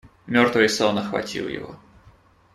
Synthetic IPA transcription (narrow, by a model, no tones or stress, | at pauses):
mʲort̪vɨjsolˠnəxvɐ̰tʲḭlˠjɪ̰vo̰